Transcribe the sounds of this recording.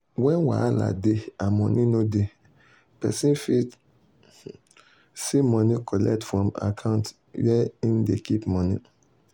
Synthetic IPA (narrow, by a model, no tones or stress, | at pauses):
wɛ̃nwa̰ala̰deamɔ̃nʔĩnõde | pɛ̰sĩnfi | simɔ̃nĩkʰɔlɛ̰k̚tfɹɔ̃ma̰kʰãʊ̃nt | jɛindekʰipmɔ̃nḭ̃